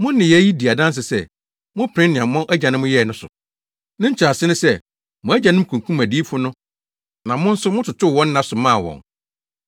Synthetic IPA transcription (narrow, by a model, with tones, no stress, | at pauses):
mʊ̃˦n˦ɪ̃˨jɛ˨˦ji˦di˨a˨dã˦n˦s̬ɪ˨sɛ˦˨ | mʊ̃˦pʰɾɪ̃˦nɪ̃˨ã˨mɔ̃˦ʔæ˦d͡ʑã˨nɪ̃˦mʊ̃˦jɛ˦˨nʊ̃˦sʊ̰˨ | nɪ̃˦ɲ̩˦t͡ɕʰɾa˨sɪ˦nʊ̃˦sɛ˦ | mʊ̃˨˦æ˦d͡ʑã˨nɪ̃˦m̩˦kʰũ˨ŋ˨kʰũ˦mæ˨di˦fʊ˦nʊ̃˦ | nã˨mʊ̃˦n̩˦sʊ˦mʊ̃˦tʰʊ˨tʰʊ˦˨wɔ̃˦nː˦ã˦sʊ˨mã˦˨wɔ̰̃˨n